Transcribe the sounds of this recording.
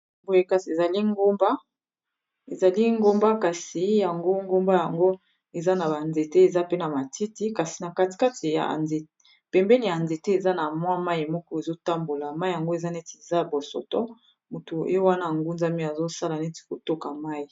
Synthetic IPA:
bo˨je˨ka˨si˨e˨za˨li˦ŋɡo˦mba˦ | e˨za˨li˦ŋɡo˦mba˦ka˨si˨ja˨ŋɡo˦ŋɡo˦mba˦ja˨ŋɡo˦ | e˨za˦na˨ba˨nze˨te˦e˨za˦pe˦na˨ma˨tʰi˦ti˦ka˨si˨na˨ka˦ti̥˨ka˦tʰi˨ja̰˨nze˨˦ | pɛ˨mbɛ˦ni˨ja˨nze˨te˦e˨za˦na˨mwa˦ma˦i˨mɔ˦kɔ˦e˨zo˦ta˦mbo˨la˨ma˦i˨ja˨ŋɡo˦e˨za˦ne˦te˨za˦˨bo˨sɔ̰˨tɔ̰˦ | mo˨to˨ḛ˦jo˦wa˦na˦˨ŋɡu˦nza˦mi˦a˨zo˦sa˦la˨ne˦ti̥˨ko˨to˦ka˨ma˦ji˨

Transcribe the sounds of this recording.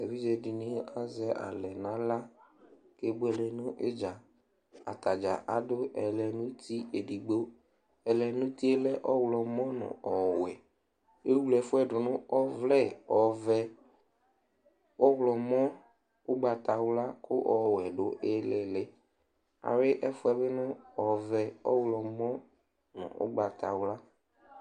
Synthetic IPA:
e˨vi˦d͡ʒɛ˨di˨nĩ˦a˨zɛ˦ʔa̰˨lɛ˨nã˨˦la˦ | ke˦ɡ͡bo˦ɛ˨lɛ˨nʊ̃˦ʔe˦d͡ʒa˨ | a̰˨t̪a˨d͡ʒa̰˨ʔa˨˦dʊ˦ʔɛ˨lɛ˨nũ˦t̪i˦e˨di˨ɡ͡bo˦ | ɛ˨lɛ˨nʊ̃˦t̪i˦e˦lɛ˦ʔɔ˦wlɔ˨mɔ̃˦nɔ̰̃˨ɔ˨wɛ˨ | e˦wu˦lɛ˨fʊ˦ɛ˦˨ɖʊ˨nʊ̃˦ɔ˦vlɛ˦˨ɔ˨vɛ˦ | wɔ˦wlɔ˨mɔ̃˦ | ʊ˦ɡ͡ba˨t̪a˨wla˦kʰʊ˦ʔɔ˨wɛ˨ɖo˦ʔe˦lɛ˨lɛ˦ | a̰˨ɾe˦ʔɛ˦fʊ˦ɛ˦βe˦nʊ̃˦ɔ˨vɛ˨ɔ̰˦wlɔ˨mɔ̃˦ | nɔ̰̃˨ʔʊ̰˦ɡ͡ba˨t̪a˨wla˦

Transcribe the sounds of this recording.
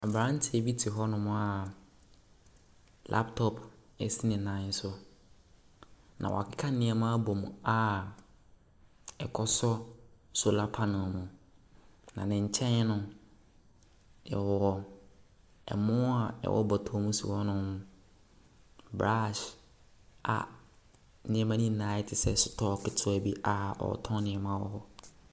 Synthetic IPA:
a˨bɾã˦n̩˦tʰɪ˦ɛ˨bi˦tʰi˨ɦɔ˦nʊ̃˦m̃˦a˨ | lʔa̰˦ptʰɔ˦pʰ | ɛ̰˨si˦nɪ̃˨nã˨˦n̩˦sʊ˦ | nʔã̰˨wɔ̰˨a˨kʰɪ˦kʰa˦nɪ̃˦ɛ˨mã˦a˦bɔ˨mũ˨a˦˨ | ɛ˨kʰɔ˦sɔ˦sʊ˦la˦pʰa˦nʊ̃˨mũ˨ | nã̰˨nɪ̃˨ɲ̩˨t͡ɕʰɛ̃˦n˦nʊ̃˦ | nɪ̰̃˨wɔ˨ɔ˦ | ɛ̰˨mʊ̃˦a˨ɛ̰˨wɔ̰˦bɔ˨tʰɔ˦mũ˦sṵ˨wɔ˦nʊ̃˦m˦ | bɾa˦ʃ | a̰˨ | nɪ̃˨ɛ˦mã˦nĩ˦˨nã˨˦ɪ˦tʰɪ˨sɛ˦sʊ˦tʰɔː˦˨kʰɪ˨tʰʊ˦æ˨bi˦ʔa˨ɔ̰˨ɔ̰˨tʰɔ̃˦nɪ̃˨ɛ˨mãː˦wɔ̰˦hɔ˦

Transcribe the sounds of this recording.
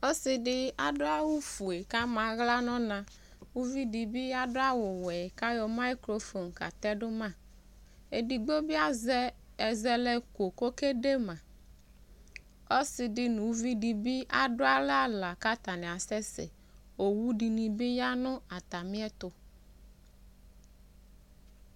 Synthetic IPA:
o˦sɪ˨ɖɪ˦a˨ɖʊ˦a˦wu˦fu˨e˨ka˦mã˨ɣla˦nɔ̃˦nã˨ | wu˦vi˦di˨bi˦a˦ɖʊ˦a˦wo˨wɛ˨ɛ˨ka˦jɔ˨ma˦jkɾo˦fo˨n˨ka̰˨t̪ɛ˦ɖʊ˦mã˦ | e˨di˨ɡ͡bo˦bi˦a˦zɛ˦ | ɛ˨zɛ˦lɛ˦ko˨ko˦ke˦ɖe˦mã˨ | o˦sɪ˨dɪ˦nũ˨wu˦vi˦di˨bi˦ʔa˨ɖʊ˦a˦la˦la˨ka˦t̪a˨nɛ̃˨a˨sɛ˦sḛ˨ | o˨wu˦ɖi˨nĩ˨bi˦ja˦nʊ̃˦a˨t̪a˨mĩ˦ɛ˦t̪ʊ˨

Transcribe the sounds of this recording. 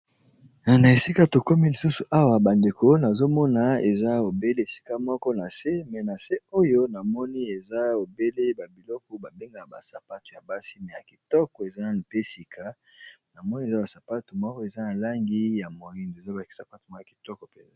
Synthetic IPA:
na˨na˨e˨si˦ka˦to˨ko˦mi˦li˨su˦su˨ʔa˦wa˨ba˨nde˨ko˦na˨zo˦mɔ˦na˨ḛ˨za˦o˨be˦le˦e˨si̥˦ka˦mɔ˦kɔ˦na˨se˦mɛ˨na˨se˦o˦jo˦na˨mɔ˦ni˦e˨za˦o˨be˦le˦ba˨bi˨lɔ˦kɔ˨˦ba˨be˦ŋɡa˨a˨ba̰˨sa˨pa˦tu˨ja˨ba˦si˦mɛ˨ja˨ki̥˨tɔ˦kɔ˨e˨za˦na˨pe˦si˨kʰa˦ | na˨mɔ˦ni˦e˨za˦ba˨sa˨pa˦tu˨mɔ˦kɔ˦e˨za˦na˨la˦ŋɡi˦ja˨mo˨i˦ndo˨e˨za˦ba˨sa˨pa˦tu˨ma˦ja˨ki̥˨tɔ˦kɔ˨pe˨za˦

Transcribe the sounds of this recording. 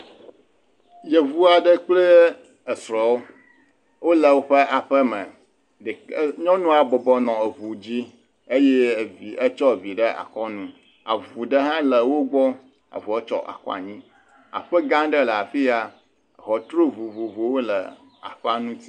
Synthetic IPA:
je˨vu˦a˨ɖə˦k͡plə˦ | ə˨sɾɔ˨wo˦ | wo˦lə˨wo˦ɸə˦a˨ɸə˦mə̃˨ | ɖɲɔ̃˦nũ˦a˨bɔ˨bɔ˦nɔ̃˨e˨vu˨d͡ʑi˦ | e˦je˦˨vi˨ə˦t͡ʃɔ˦˨vi˨ɖə˦ʔa̰˨kɔ˦nũ˦ | a̰˨vu˨ɖə˦ɦã˦lə˨wo˦ɡ͡bɔ˦ | a̰˨vu˨ɛ˦t͡ʃɔ̰˦ʔa̰˨kɔ̰˦a̰˨ɲĩ˦ | a̰˨ɸə˦ɡã˦ɖə˦lə˨a˨fi˦a˦˨ | ɦɔ˨t̪ɾo˦vu˨vu˨vo˨wo˦lə̰˨ | a̰˨ɸɛ˦a˨nũ˦t̪i˦

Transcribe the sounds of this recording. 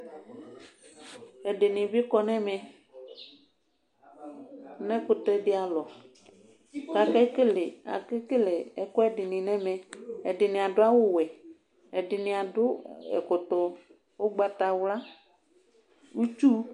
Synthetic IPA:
ɛ˨ɖɪ˨nĩ˨bi˦kɔ˦nɛ̃˦mɛ̃˨ | nɛ̃˦ko˦t̪ɾɛ˦ɖɪ˦a˨lɔ˨ | ka˨kɛ˦ke˦le˨a̰˨ke˦ke˦le˨ɛ˨kɔ˦ɛ˦ɖɪ˨nĩ˨nɛ̃˦mɛ̃˨e˨ɖɪ˨nĩ˨a˨ɖʊ˦a˦wo˦wɛ˨ | ɛ˨ɖɪ˨nĩ˨a˨dʊ˦ɛ̰˨ko˨t̪ɔ˨ | wo˦ɡ͡ba˦t̪a˨wla˦ | wu˦t͡ʃu˦

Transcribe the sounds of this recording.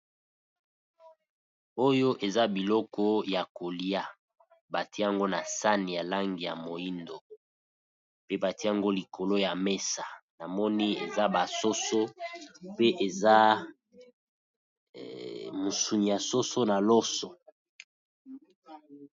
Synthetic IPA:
o˦jo˦ʔe˨za˦bi˨lɔ˦kɔ˦ja˨ko˨li˦a˦ | ba˨ti˦a˦ŋɡo˦na˨sa˦ni˨ja˨la˦ŋɡi˨ja̰˨mo˨i˦ndo˨ | pe˦ba˨ti˦a˦ŋɡo˦li˨ko˨lo˦ja˨me˦sa˨na˨mɔ˦ni˦ḛ˨za˦ba˨so˦so˦pe˦ʔe˨za˦ | mu˨su˨ni˨ja˨so˦so˦na˨lɔ˦sɔ˨

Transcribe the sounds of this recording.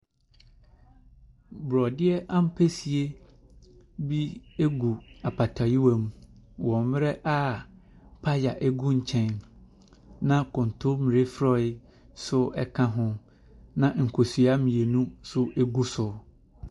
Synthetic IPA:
bɾɔ˨dɪ˦ɛ˦ʔã˦m̩˦pʰe˦si˨e˦ | bi˦e˦ɡu˨a˨pʰa˨tʰa˨ji˦wa˨mũ˦ | wɔ̃˨m˦mɪ˦ɾɛ˦ʔa˦ | pʰa˦ja˨ʔɛ˦ɡũ˦ɲ̩˨t͡ɕʰɛ̃˦n | nã˦kʰʊ̃˨n˨tʰʊ˦mĩ˨ɾe˦fɾɔ˦ɪ˦ | sʊ˦ɛ˦kʰã˦ɦʊ̃˦ | nã˨ŋ̩˨kʰo˨sɥa˦mĩ˨e˨nũ˦sʊ˦ʔe˦ɡu˦sʊ˨

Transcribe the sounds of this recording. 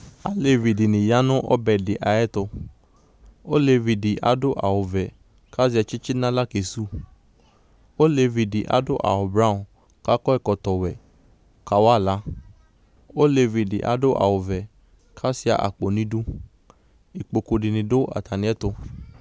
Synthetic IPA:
a̰˦le˧vi˨di˨nĩ˨ja˨˦nũ˦ʔɔ̰˦bɛ˨di˨ʔa˨ɛ˦to˧ | o˦le˧vi˨di˨ʔa̰˨˦do˦ʔa̰˨o˨vɛ˨ | ka˦si˧ɛ˧t͡ʃi˦t͡ʃi˦nã˦la˦ke˨su˦ | o˦le˧vi˨di˨ʔa̰˨˦do˦ʔa̰˨o˨bɾa˦ũ˨ | ka˦kɔ˦ɛ˦˨kɔ˧tɔ˨wɛ˨ | ka˨˦wa˦˨la˨˦ | o˦le˧vi˧˨di˨ʔa̰˨˦do˦ʔa̰˨o˨vɛ˨ | kʰa˦si˧a̰˧˨ʔa̰˨k͡po˨nĩ˨˦dũ˦ | i˨k͡po˨ko˨˧di˨nĩ˧do˦a̰˨ta˨nĩ˨˦ɛ˦to˧

